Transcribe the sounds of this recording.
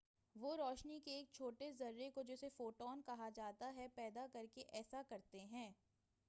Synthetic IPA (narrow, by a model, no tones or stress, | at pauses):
ʋoːɾɔːʃnikeːk̚t͡ʃʰoːʈezɐɾːekod͡ʒɛːsefoːʈɔːnkɐɦad͡ʒaːt̪aɦɛpɛːd̪akɐɾkeʔɛːsakɐɾt̪eɦɛ̃ː